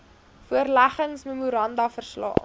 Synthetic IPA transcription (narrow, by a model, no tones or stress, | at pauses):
fuərlæχəŋsmemuɾɐndɐfərslɑ̰ː